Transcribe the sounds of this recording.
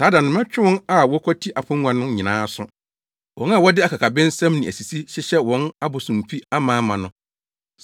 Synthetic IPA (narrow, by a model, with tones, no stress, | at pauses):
saː˦dã˨nʊ̃˨mɛ̃˦t͡ɕᶣɪ˦wʊ̃˦na˨wɔ˦kʰɔ˦tʰi˦ʔa˨pʰʊ̃˦ŋ˦ã˨nʊ̃˦nɲɪ̃˨nãː˨˦sʊ̃˦ | wʔɔ̃˨˦n˦a˨wɔ˦dɪ˦a˨kʰa˨kʰa˨bɪ̃˦n̩˦sã˦mnĩ˨ʔæ˨si˨si˦ɕɪ˦ɕɛ˦wɔ̃˦na˦bʊ˨sʊ̃˨m̩˨pi˦a˦mãː˦mã˨nʊ̃˦